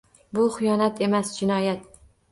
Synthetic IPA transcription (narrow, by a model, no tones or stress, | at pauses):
bʊχɪjɒnat̪ʰe̞masd͡ʒɪnɒjat̪